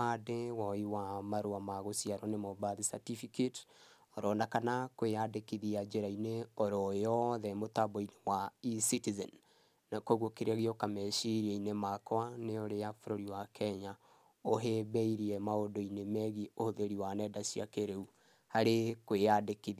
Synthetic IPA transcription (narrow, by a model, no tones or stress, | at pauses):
adewɔiwamaɾoamaɣosiaɾɔnemobaðisa̰tifiket | ɔɾɔnakanakweadekiðiad͡ʒeɾaineoɾɔjɔðɛmotaboinewaisitizɛ̰n | nakoɣokeɾaɣiokamɛʃiɾiainemakwaneoɾejafoɾoɾiwakʰɛɲa | oɦeβɛiɾiɛmaodoinemɛɣiohoðeɾiwanɛdasia̰keɾeu | haɾekweadekið